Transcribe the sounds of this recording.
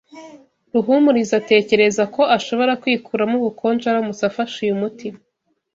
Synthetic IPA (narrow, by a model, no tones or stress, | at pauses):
ɾuɦumuɾizate̞ːce̞ɾe̞zako̞ʔaʃo̞βo̞ɾakwiːkʰuːɾamuβukʰo̞ːnd͡ʒaɾamusafaʃujumutima